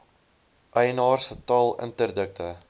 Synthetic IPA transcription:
ʔɐjnɑːrsətɑːlˠə̰ntərdək̚tə

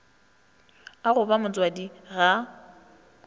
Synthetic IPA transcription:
aɣʊbamʊt͡sʼwadiɣa

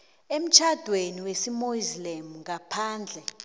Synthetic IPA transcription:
em̩t͡ʃʰad̥ʱweniwesimoizlemuŋɡʱapʰaːnd͡ɮʱɛ

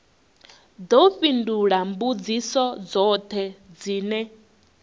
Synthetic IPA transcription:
d̪ɔɸinduɺambud͡zisɔd͡zɔt̪ʰɛd͡ziːnɛ

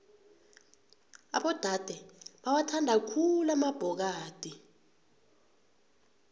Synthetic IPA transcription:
a̰ɓɔd̥ʱad̥ʱɛɓawatʰandʱakʰulamab̥ʱɔk̬aːd̥ʱi

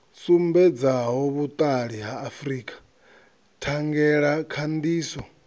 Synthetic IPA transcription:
sumbɛd͡zaɦɔβut̪ʼaɺiɦaːfriːkʼḁ | tʰaŋɡɛɺakʰand̪iːsɔ

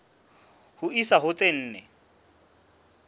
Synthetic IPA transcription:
hʊisaɦʊt͡sʼen̩ːnɛ

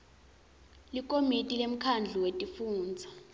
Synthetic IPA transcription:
lik̬ʼomitʼilem̩kʰand͡ɮʱuwetʼifuːnd͡zʱa

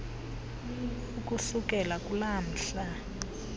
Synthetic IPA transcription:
uk̬ʼusuk̬ʼɛlakʼulam̩ɬa

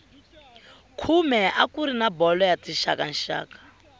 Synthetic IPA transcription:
kʰumɛʔakuɾinabɔlɔjat͡siʃakan̩ʃa̰ːkḁ

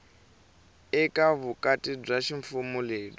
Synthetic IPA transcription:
ɛkʼaβukʼatʼib͡ʐaʃiɱfumuleːɗɔ

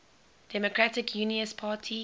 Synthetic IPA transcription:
d̥ɛmokʰɹatɪkʰjuːniəspʰaːtʰi

